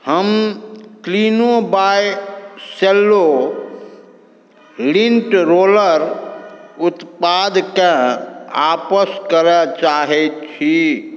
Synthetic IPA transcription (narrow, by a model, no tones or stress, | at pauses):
həmklinobajselːo | linʈɾoləɾ | ut̪pad̪kẽa̰pəskəɾət͡ʃaɦɛt͡ʃʰi